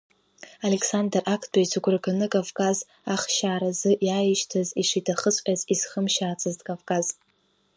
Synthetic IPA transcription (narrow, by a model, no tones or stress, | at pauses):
alekʰsandrʔakʰdʼajsʰɨɡʷrɡanɨkʼavkʼaz | aχʃaːɾazɨʔjajiʃtʰaziʂitʰaχət͡sʷʼʲaziz̥χəmʃaːt͡sʰaztʼkʼavkʼaz